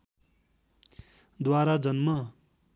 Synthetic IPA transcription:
d̪waɾad͡zʌnmʌ

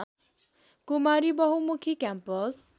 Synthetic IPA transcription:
kumaɾibʌɦumukʰikjampʌs

